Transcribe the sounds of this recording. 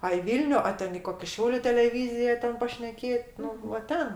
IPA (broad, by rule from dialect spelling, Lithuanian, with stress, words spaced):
ɐ ɪ ˈʋʲiːlʲnʲʊ oː ˈtʲɛn ɪ ˈkoːkʲɪ ˈʃʲɛʊlʲʊ tʲɛlʲɛˈʋʲiːzʲɪjɛ ˈtʲɛn pɐʃʲnʲɛˈkʲeːt ˈnʊ ʋɐ ˈtʲɛn